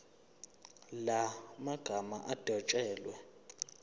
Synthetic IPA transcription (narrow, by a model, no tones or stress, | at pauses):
lamaɡ̥ʱama̰ʔad̥ʱɔt͡ʃʼɛːlwɛ